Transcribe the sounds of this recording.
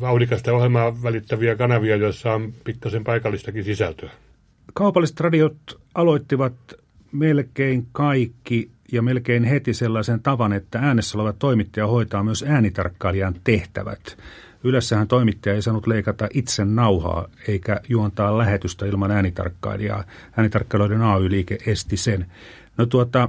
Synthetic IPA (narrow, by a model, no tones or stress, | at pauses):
ʋɑunikɑst̪ɑohelmɑʋælit̪ːæʋiækɑnɑʋiɑjoisːɑompit̪kːæsempɑikɑlːist̪ɑkisisæ̰lt̪øæ | kɑupɑlːˑise̥t̪rɑdiot̪ | ɑloit̪ːiʋɑt̪ | melkeiŋkɑikːi | jɑmelkeinhet̪iselːɑisent̪ɑʋɑnet̪ːææːnesːæoleʋɑt̪t̪oimit̪ːɑjɑhoit̪ɑːmyøsæːnit̪ɑ̰rkːɑiliɑnt̪eht̪æ̰ʋæ̰t̪ | ylæsːæhænt̪oimit̪ːɑjɑeisɑːnut̪leikɑt̪ɑʔit̪sennɑuhɑ̰ːeikæjuont̪ɑːllæhet̪yst̪æilmɑnæːnit̪ɑ̰rkːɑ̰iliɑ̰ː | æːnit̪ɑrkːɑiloiɾenɑːyːliːkeʔʔest̪isen | not̪uot̪ɑ